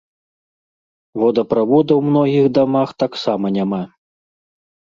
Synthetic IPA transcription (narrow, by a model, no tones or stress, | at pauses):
vɔd̪ɐpɾavɔd̪ɐwmnɔɣʲiɣd̪amaxt̪aksamɐnʲama